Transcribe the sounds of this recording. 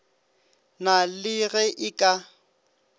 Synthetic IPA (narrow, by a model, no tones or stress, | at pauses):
nalɪɣɛʔɪkʼa